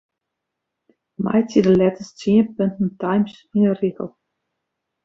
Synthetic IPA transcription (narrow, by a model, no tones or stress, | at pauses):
ma̰jtidəlɛtəst͡siənpøntn̩tajms | inəriɣə̰lˠ